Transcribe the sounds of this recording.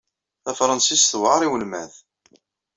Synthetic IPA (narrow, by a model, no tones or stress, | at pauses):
θæfɾˤɑnsisθwʕɑɾˤiwəlmæ̰θ